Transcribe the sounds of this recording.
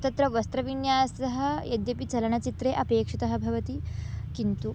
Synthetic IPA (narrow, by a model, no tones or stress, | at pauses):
ɐt̪ɐt̪ɾɐʋɐst̪ɾɐʋiɳjaːsɐɦɐ̆jɐd̪jɐpit͡sɐlɐɳɐt͡ʃit̪ɾeːʔɐpeːkʂit̪ɐɦɐbʱɐʋɐt̪ikint̪u